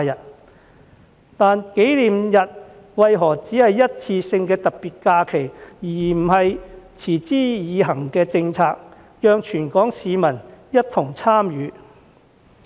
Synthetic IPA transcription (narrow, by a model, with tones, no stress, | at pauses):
jɐ˨t̚ | t̪aː˨˧nke˨˥jliː˨mjɐ˨t̚ | wɐ˨jɦɔː˨˩t͡siː˨˥hɐ˨jːɐ˥t̚t͡sʰiː˧sɪ˧ŋkɛː˧t̪ɐ˨k̚piː˨t̚kaː˧kʰe˨˩jjiː˨˩m̩˨˩hɐ˨jt͡sʰiː˨˩t͡siː˥jiː˨˧ɦɐ˨˩ŋkɛː˧t͡sɪ˧ŋt͡sʰaː˧k̚ | jœː˨˧ŋt͡ʃʰyː˨˩nkɔː˨˥ŋsiː˨˧mɐ˨˩njɐ˥t̚t̪ʰʊ˨˩ŋt͡sʰaː˥mjyː˨˧˦